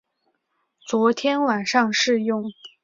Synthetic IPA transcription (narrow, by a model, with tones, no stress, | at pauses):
t͡swɔ˧˥t̪ʰjɛ˥nwa˨˩nʂɑ˥˧ŋʂɻ̩˥˧jʊ˥˩ŋ